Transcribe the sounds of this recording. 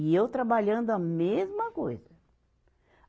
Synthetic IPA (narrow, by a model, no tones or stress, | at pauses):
iewt̪ɾabaʎɐ̃nd̪ʊɐmezmɐkojzɐ